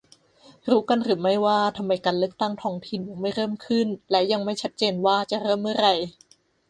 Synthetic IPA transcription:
ɾuː˦˥ka˧nɾɯː˩˦ma˥˩jwaː˥˩t̪ʰa˧mːa˧jkaː˧nlɯ˥˩ək̚t̪a˥˩ŋt̪ʰɔː˦˥ŋt̪ʰi˧nja˧ŋma˥˩jɾɤː˥˩mkʰɯ˥˩nlɛː˦˥wja˧ŋma˥˩jt͡ɕʰa˦˥t̪̚t͡ɕeː˧nwaː˥˩t͡ɕa˨˩ɾɤː˥˩mːɯ˥˩ɐɾa˧j

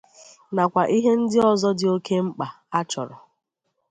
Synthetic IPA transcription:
na˨kʷa˨ʔi˦ɦe˦n̩˦dɪ˦ɔ˦zɔ˦dɪ˨o˦ke˦ŋ͡m̩˦k͡pa˨ | a˦t͡ʃɔ˨ɾɔ˨

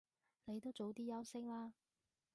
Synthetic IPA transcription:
ne˨˧jt̪o˥wt͡so˨˥wt̪iː˥jɐ˥wsɪ˥ŋlaː˥

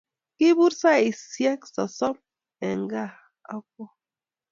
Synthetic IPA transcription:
ki˦bu˦ɾsa˦i˨sjɛ˦k̚sɔ˨sɔ˦p̚ | ɛ̰˨ŋ˦˨ɡa˦˨ | a̰˦k̚ɔ˦

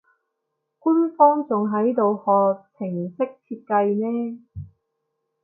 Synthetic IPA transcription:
ku˥nfɔː˥ŋt͡sʊ˨ŋɦɐ˨˥jt̪o˨whɔː˨k̚t͡sʰɪ˨˩ŋsɪ˥k̚t͡sʰiː˧t̚kɐ˧jnɛː˥

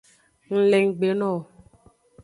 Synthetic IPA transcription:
ŋ̩˨le˨ŋ˨ɡ͡be˨˦nɔ˦˨

